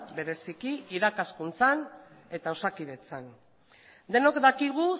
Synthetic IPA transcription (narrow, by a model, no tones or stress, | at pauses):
be̞ɾe̞sikiiɾakaskunt͡san | e̞t̪aosakið̞e̞t͡san | d̪e̞no̞kd̪akiɣ̞u